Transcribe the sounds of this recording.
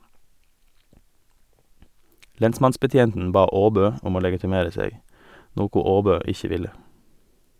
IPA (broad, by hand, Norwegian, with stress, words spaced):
ˈlɛnsmɑnsbəˌtjeːntn̩ ˈbɑː ˈoːbøː ˈʊm ˈoː lɛɡɪtɪˈmeːɾə ˈseːɡ ˈnoːkʊ ˈoːbøː ˈɪçə ˈʋɪlə